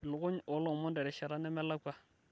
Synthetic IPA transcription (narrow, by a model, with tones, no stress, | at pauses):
lʊ˨kʊ˦ɲɔ˨˦lɔ˦˨mɔ˦ndɛ˨ɾɛ˨ʃɛ˨ɾa˦nɛ˦mɛ˦la˦kwa˦